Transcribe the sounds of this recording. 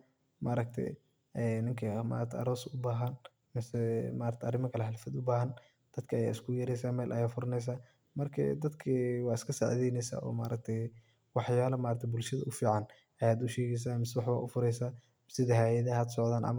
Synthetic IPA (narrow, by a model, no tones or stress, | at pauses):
mʔaːɾɐk̚t̪ʰɛ̰j | ɛnɪŋkʰɐma̰ːɾɐkt̪ʰɐ̰ɾɔːsʊbaːɦɐn | mɪsɛmaːɾɐk̚t̪ʰɐrɪmɐkʰɐlɛħɪlfɐd̪ʊbaːɦɐn | d̪̥ɐd̪kʰɐɐja̰ːɪskʰʊjɛɾɛjsaːmɛːlʔɐ̰jaːfʊɾɐnɛjs̬aː | mɐrkʰɐ̰d̪ɐd̪kʰɐwɑːɪskʰɐsa̰ʕðɛjnɛjsa̰ːʔɔ̰ːma̰ːɾɐk̚t̪ʰɛj | wɑħjaːlɐmaːɾɐk̚t̪ʰɛbʊlʃɐðɐʔʊfiːʕɑn | ʔɐjaːd̪ʊʃɛːɣɛjs̬aːmɪsɛwɑħβa̰ːʔʊfʊɾɛjsaː | sɪðɐhaːjɐðɐɦɐd̪sɔʕd̪aːnʔɐ̰m